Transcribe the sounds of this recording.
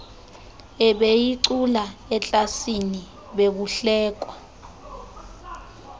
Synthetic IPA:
ɛɓejiǀulaɛt͡ɬʼasini | ɓek̬uɬɛːk̬wa

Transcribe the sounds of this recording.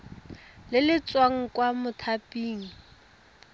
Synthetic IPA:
lɪlɪt͡swaŋ̩kwamʊtʰapʼiːŋ̩

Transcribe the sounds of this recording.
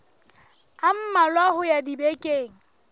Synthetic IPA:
am̩malwahʊjadibekʼeːŋ̩

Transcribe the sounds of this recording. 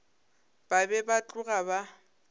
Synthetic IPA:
b̥abɛbat͡ɬʼʊɣaba

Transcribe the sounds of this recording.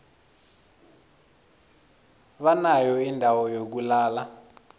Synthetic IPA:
βanajɔindʱawɔjok̬ulaːla

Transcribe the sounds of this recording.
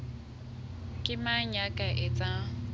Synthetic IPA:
kʼɪmaɲakʼaʔɛt͡sʼa

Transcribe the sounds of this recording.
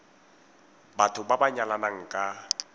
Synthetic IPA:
batʰʊbabaɲalanaŋ̩kʼa

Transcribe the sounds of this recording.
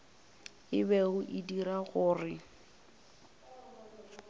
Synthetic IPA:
ɪbɛɣʊʔɪdiɾaɣʊːrɪ

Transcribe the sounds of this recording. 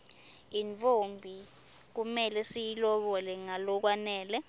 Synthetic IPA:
iɱfombʱik̬umɛlɛsijilɔɓɔlɛŋalɔk̬wanɛːlɛ

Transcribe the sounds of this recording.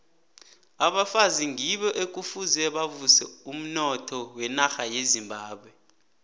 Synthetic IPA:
aɓafaziŋiɓɔʔek̬ʼufuzɛɓavusɛum̩nɔtʰɔwɛnaxajezimbʱaːɓwɛ

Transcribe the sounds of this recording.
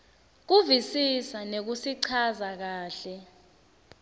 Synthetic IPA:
k̬uvisisanek̬usiǀʰazak̬aːɬɛ

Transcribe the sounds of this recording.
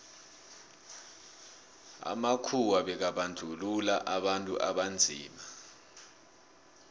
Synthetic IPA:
a̰makʰuwaɓɛk̬aɓand͡ɮʱululaʔaɓantʼṵʔaɓand͡zʱḭːma

